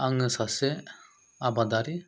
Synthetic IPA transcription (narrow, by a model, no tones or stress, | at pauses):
aŋɯsasɛ | abad̪aɾi